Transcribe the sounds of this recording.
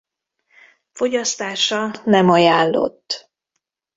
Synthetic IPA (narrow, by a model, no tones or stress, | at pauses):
fo̞ɟɒst̪aːʃɒnɛmɒjaːlːo̰t̪ː